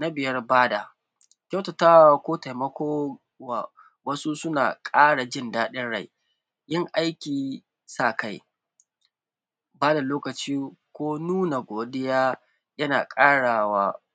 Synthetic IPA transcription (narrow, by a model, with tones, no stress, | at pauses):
na˦bɪ˨jɐ˦rbaː˦da˨ | kʲa˦wtɐ˨taː˦wa˦kʷoː˦ta˨jmɐ˦kʷoː˦ | wa˨ | wɐ˦su˦sʊ˦na̰ː˨kʼaː˦ɽa˨d͡ʒɪ˦˨ndaː˦ɗɪ˦nɽa̰˦˨j | ʔɪ˦ŋʔa˦jkʲiː˨ | sa˦˨ka˦˨j | baː˦da˨loː˦kɐ˨t͡ʃiː˦kʷoː˦nuː˦na˨ɡʷoː˨ɗɪ˦jaː˦ | jɐ˦na̰ː˨kʼaː˦ɽaː˨waː˦